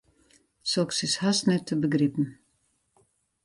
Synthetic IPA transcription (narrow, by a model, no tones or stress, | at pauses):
sɔksɪshasnɛtʰːəbəɡripn̩